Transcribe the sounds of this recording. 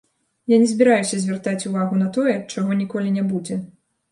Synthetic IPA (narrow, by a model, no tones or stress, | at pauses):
janʲɛzʲbʲiɾajusʲɐzʲvʲɛrt̪at͡sʲuvaɣunɐt̪ɔjɛt͡ʂaɣɔnʲikɔlʲinʲɛbud͡zʲɛ